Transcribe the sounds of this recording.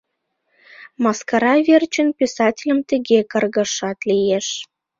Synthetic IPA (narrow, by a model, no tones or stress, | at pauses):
mɑskɑɾɑvʲert͡ɕə̆npʲisɑtʲɪlʲə̆mt̪ə̆ɣekɤ̆rɣɤ̆ʃɑt̪lijeʃ